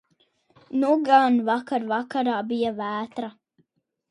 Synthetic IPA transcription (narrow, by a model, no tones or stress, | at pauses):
nuɡanvakaɾvakaɾaːbijavæːt̪ɾa